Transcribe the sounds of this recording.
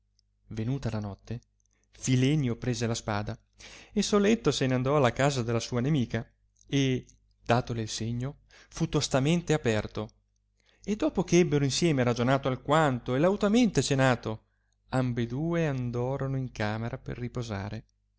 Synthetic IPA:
venuːt̪alanɔt̪ːe | filɛnjopɾeːzelaspa̰ːd̪a | ilsolet̪ːoseneand̪ɔalːakaːzad̪elːasuːanemiːka | e | d̪̥aːt̪oleilseɲːo | fut̪ːost̪ament̪eapɛrt̪o | ed̪ːɔːpokeɛbːeɾoinsjɛːmeɾad͡ʒonaːt̪oalkwant̪oelawt̪ament̪et͡ʃenaːt̪o | ambed̪uːeand̪ɔːɾonoiŋkaːmeɾapḛrːipoza̰ːɾe

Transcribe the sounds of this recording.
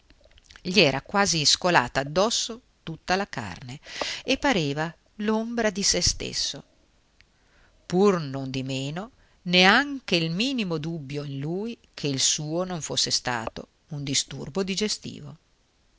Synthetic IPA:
ʎiɛːɾakwaːziskola̰ːt̪aːd̪ːɔsːo | t̪ut̪ːalaka̰rneepːaɾeːva | lombɾad̪isest̪ḛsːo | purnond̪imeːno | neaŋk̟eilmiːnimod̪ubːjoinluːjkʰeilsuːonoɱfosːest̪a̰ːt̪o̰ | und̪ist̪ṵrbod̪id͡ʒest̪ḭːvo̰

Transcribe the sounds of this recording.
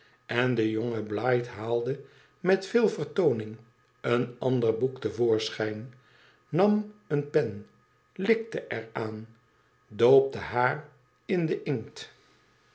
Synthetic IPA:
ɛndəjoŋəblɑjtɦaːlˠdə | mɛtfɪːlˠvərtownɪŋ | ənɑndərbuktəvoːɹsχɛjn | nɑmənpɛn | lɪk̚təʔɛɹaːn | dowp̚dəɦaːr | ɪndəʔɪŋt

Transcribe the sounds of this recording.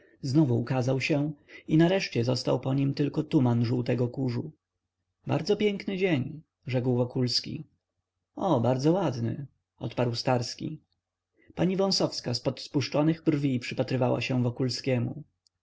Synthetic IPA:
znɔvuːkazawɕɛinaɾɛʂt͡ɕɛzɔst̪awpɔɲimt̪ɘlkɔt̪umanʐuwt̪ɛɡɔkuʐu | ba̰ɾd̪zɔpʲjɛŋknɘd͡ʑeɲ | ʐɛkwvɔkulskʲḭ | ɔbaɾd̪zɔwad̪nɘ̰ | ʔɔ̰t̪paɾwst̪aɾskʲḭ | paɲivɔ̃w̃sɔfskaspɔt̪spuʂt͡ʂɔnɘɣbrvʲipʂɘpat̪ɾɘvawa̰ɕɛ̃vɔkulskʲɛmu

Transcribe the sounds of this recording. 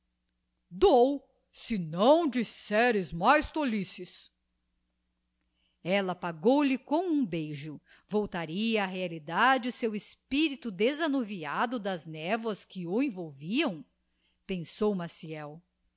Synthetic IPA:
d̪ow | sɪnɐ̃w̃d͡ʒisɛɾɪzmajst̪olisɪs | ɛlɐpaɡowlɪkõũbejʒʊ | vowt̪aɾiɐːɦealid̪ad͡ʒɪʊsewespiɾit̪ud̪ezanoviad̪ʊd̪ɐznɛvwɐskɪʊẽvowviɐ̃w̃ | pẽsowmasiɛw

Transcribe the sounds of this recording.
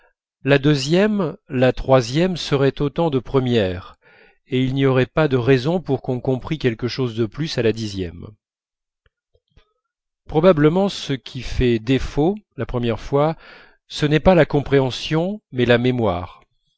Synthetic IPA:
lad̪øzjɛmlat̪χwazjɛmsəʁɛt̪ot̪ɑ̃d̪əpχəmjɛʁ | eilniɔʁɛpad̪əʁɛzɔ̃puʁkɔ̃kɔ̃pχikʲɛlkəʃozd̪əplysalad̪izjɛ̰m | pχɔbabləmɑ̃səkʲʰifɛd̪efolapχəmjɛʁfwa | sənɛpalakɔ̃pχeɑ̃sjɔ̃mɛlamemwa̰ːʁ

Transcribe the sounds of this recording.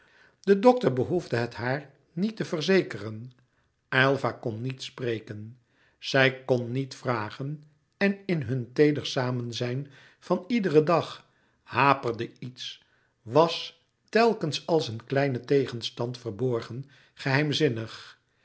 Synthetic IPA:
d̥ədɔk̚təɹbəɦuvdəɦətɦaːɹ | nitəvərzejkərən | ʔɛlˠvakɔnːitsprejkən | z̥ɛjkɔnːitfraːχən | ɛnɪnɦɵntejdəɹsaːmənzɛjn | v̥ɑnidərədɑχ | haːpərdəits | ʋɑs | tɛlˠkənsɑlˠsənklɛjnətejχənstɑntfəɹbɔɹχən | χəɦɛjmzɪnəχ

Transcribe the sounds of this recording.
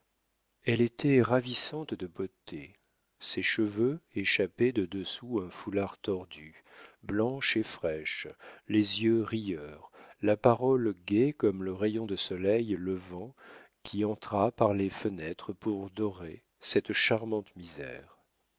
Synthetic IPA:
ɛlet̪ʰɛʁavisɑ̃t̪d̪əbot̪e | sɛʃəvøeʃapɛd̪əd̪əsuɛ̃fulaʁt̪ɔʁd̪yblɑ̃ʃefχɛʃlezjøʁijœːʁlapaʁɔlɡʲɛkɔmləʁejɔ̃d̪əsɔlɛjləvɑ̃kʲʰiɑ̃t̪χapaʁlefənɛt̪χəpuʁd̪ɔʁe | sɛt̪ʃaʁmɑ̃t̪mizɛ̰ːʁ

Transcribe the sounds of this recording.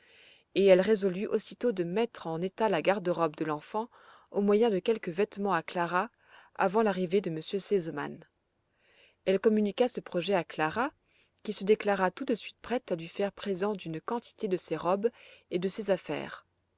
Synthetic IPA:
eɛlʁezɔlyʔosit̪od̪əmɛt̪χɑ̃net̪alaɡaʁd̪øʁɔp̚d̪əlɑ̃fɑ̃ | omwajɛ̃d̪əkʲɛlkəvɛt̪mɑ̃aklaʁa | a̰vɑ̃laʁived̪əməsjøsezɔma̰n | ɛlkɔmynikasəpχɔʒɛaklaʁa | kʲisəd̪eklaʁat̪ud̪əsɥit̪̚pχɛt̪alɥifɛʁpχezɑ̃d̪ynkɑ̃t̪ʰi̥t̪ed̪əseʁɔbed̪əsezafɛ̰ːʁ

